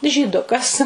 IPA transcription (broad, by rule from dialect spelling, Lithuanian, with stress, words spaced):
ʒʲiːˈdʊkɐs